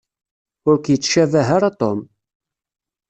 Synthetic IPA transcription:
ʊɾkjət͡sːʃævæɦaɾat̪om

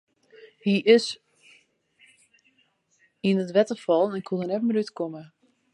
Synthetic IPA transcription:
hiʔɪs | inətʋɛtəfɔlˠənɛnɪkʰhuənɛtməɾytkomə

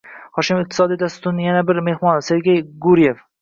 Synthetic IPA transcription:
hɒʃɪmɪq̚t̪ʰɪ̥sɒd̪ijd̪ast̪t̪ʊɾnɪjanabɪɾme̞hmɒnse̞ɾɡʲejɡʊɾije̞f

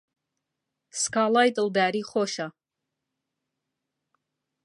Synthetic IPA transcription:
skʰaːlajt̪ʼəwd̪aːɾiːχoʃa

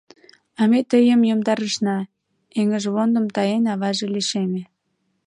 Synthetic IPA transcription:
ɑmet̪əjəmjomd̪ɑɾəʃnɑ | eŋəʒβond̪ə̆mt̪ɑjenɑβɑʒeliʃeme

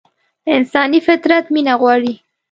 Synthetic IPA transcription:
ɪnsɑnifɪt̪ɾat̪minaɣwɑɽi

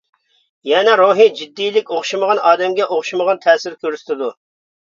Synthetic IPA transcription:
jɛnɛɾoɦid͡ʒid̪ːijlɪkʲoχʃiməʁɑnɑːd̪ɛmɡʲɛʔoχʃuməʁɑnt̪ʰɛːsɪɾkʲʰøɾsɪ̥t̪ʰɪd̪u

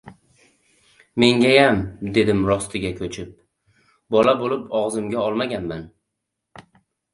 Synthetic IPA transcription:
me̞ŋɡʲajamd̪e̞d̪ɪmɾɒst̪ʰɪɡʲakʲʰɵt͡ʃʰɪp̚ | bɒlabolɪpɒʁzɪmɡʲaɒlˠmaɡʲanman

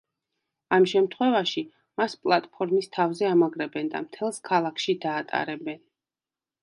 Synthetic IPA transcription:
amʃɛmt̪ʰχwɛvaʃi | maspʼlˠat̪ʼpʰɔɾmist̪ʰavzɛamaɡɾɛbɛnd̪a̰mt̪ʰɛlˠskʰalˠakʰʃid̪aːt̪ʼa̰ɾɛbɛn

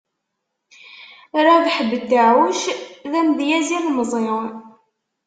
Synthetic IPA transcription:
ɾˤaðħəbːət̪ːaʕwəʃðæmd̪jæzilmzˤeʁ

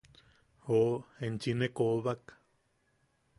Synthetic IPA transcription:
hoent͡ʃinekoβak

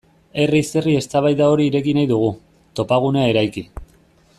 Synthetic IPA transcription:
e̞rise̞rie̞st̪aβajðao̞ɾiːɾe̞kinajðuɣ̞u | t̪o̞paɣ̞uneae̞ɾajki

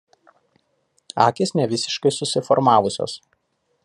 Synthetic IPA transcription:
ɑ̰ːkʲesnʲɛʋʲɪsʲɪʃkɐɪsʊsʲɪfɔɾmɑːʋʊsʲo̰ːs

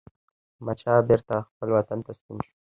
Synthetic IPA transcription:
mat͡ʃɑbeɾt̪axpəlwat̪ant̪ast̪unʃu̥

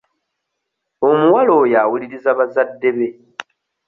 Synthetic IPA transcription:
o̞muwalo̞jawuliɾizaβazadːe̞βe̞

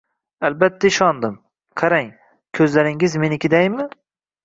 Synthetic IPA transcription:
albat̪ʰːaɪʃɒnd̪ɪm | qʰɑɾaŋ | kʲʰɵzlaɾɪŋɪzme̞nɪkʲʰɪd̪ajmːɪ

